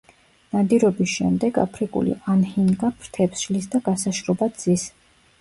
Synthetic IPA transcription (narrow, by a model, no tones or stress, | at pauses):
nad̪iɾɔbisʃɛmd̪ɛɡa̰pʰɾikʼṵlḭʔanhiŋɡapʰɾt̪ʰɛpsʃlisd̪aɡasaʃɾɔbad̪z̥is